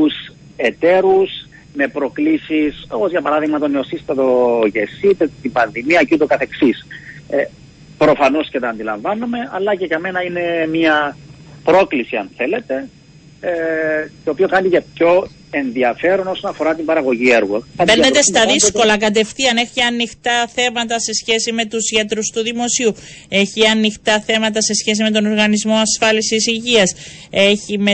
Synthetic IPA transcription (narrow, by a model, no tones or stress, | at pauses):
us | e̞t̪e̞ɾus | me̞pɾo̞klisiso̞pozʝɐpɐɾɐðiɣmɐt̪oneo̞sist̪ɐt̪o̞ʝesit̪et̪imbɐnðimiɐcit̪okɐθe̞ksis | pɾo̞fɐno̞scet̪ɐːnd̪ilɐɱvɐnume̞ɐlːɐceʝɐme̞nɐine̞miɐpɾo̞klisiɐ̰nθe̞le̞t̪e̞ | t̪o̞ːpio̞kɐnt̪icep̚ço̞ | e̞nðiɐfe̞ɾo̞no̞sonɐfo̞ɾɐt̪imbɐɾɐɣo̞ʝieɾɣɐpeɾnet̪e̞st̪ɐðisko̞lɐkɐt̪e̞fθiɐnexiɐnːixt̪ɐθe̞mɐt̪ɐse̞sçe̞sime̞t̪usʝet̪ɾust̪uðimo̞siu | e̞çiɐnːixt̪ɐθe̞mɐt̪ɐse̞sçe̞s̬ime̞t̪̬o̞no̞ɾɣɐnizmo̞ɐsfɐlisisiʝiɐs | e̞çim